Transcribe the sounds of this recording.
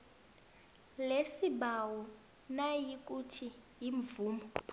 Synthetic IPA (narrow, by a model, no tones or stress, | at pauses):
lesibawɔ | najikʼutʰijiɱvuːmɔ